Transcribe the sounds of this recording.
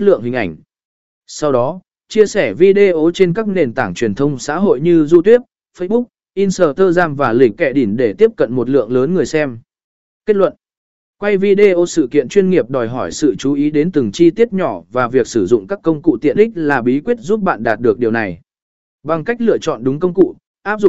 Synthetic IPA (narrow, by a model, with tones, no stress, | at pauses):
lɨ̰˧˨əŋhï˨˩ŋ̟ʔa˧˩ŋ̟ | sa˧wɗɔ˨˦ | t͡ɕi˧əsɛ˧˩vi˧ɗe˧ʔo˨˦t͡ɕe˧nkaː˦˥k̚ne˨˩nt̪aː˧˩ŋt͡ɕwi˨˩ənt̪ʰə˧wŋ͡msa̰ː˧˥ɦo̰˧˨jɲɨ˧zu˧t̪i˦˥əp̚ | fə˧jɓʊ˦˥k̚ | ʔi˧nsəː˧˩t̪ʰəː˧zaː˧nvaː˨˩lï˧˩ŋ̟kɛ˧˩ɗi˧˩nɗe˧˩t̪i˦˥əp̚kə̰˧˨nmo˨˩t̚lɨ̰˧˨əŋləː˨˦nŋɨ˨˩əjsɛ˧m | ke˦˥t̚lwə̰˧˨n | kwa˧jvi˧ɗe˧ʔo˧sɨ̰˧˨˩kḭ˧˨ənt͡ɕwi˧ənŋi˨˩əp̚ɗɔ˨˩jɦɔ˧˩jsɨ̰˧˨t͡ɕu˨˦ʔi˨˦ɗe˨˦nt̪ɨ˨˩ŋt͡ɕi˧t̪i˦˥əp̚ɲɔ˧˩vaː˨˩vi˨˩ək̚sɨ˧˩zʊ̰˧˨ŋ͡mkaː˦˥kːə˧wŋ͡mkṵ˧˨t̪ḭ˧˨ənʔï˦˥k̚laː˨˩ɓi˨˦kwi˦˥ət̚zu˦˥p̚ɓa̰ː˧˨nɗaː˨˩t̚ɗɨ˨˩ək̚ɗi˨˩əwna˨˩j | ɓa˨˩ŋka˦˥jk̚lɨ̰˧˨ət͡ɕɔ̰˧˨nɗʊ˨˦ŋ͡mkə˧wŋ͡mkṵ˧˨ | ʔaː˦˥p̚zʊ̰˧˨ŋ͡m